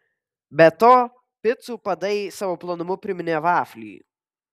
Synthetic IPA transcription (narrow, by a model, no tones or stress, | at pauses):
bʲɛt̪oː | pʲɪt̪suːpɐd̪ɐɪsɑːʋoːplˠonʊmʊpʲɾʲɪmʲɪnʲeːʋɑːfʲlʲḭː